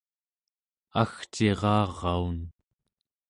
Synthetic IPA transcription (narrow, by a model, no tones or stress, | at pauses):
axt͡ʃeʁɑːʁːɑun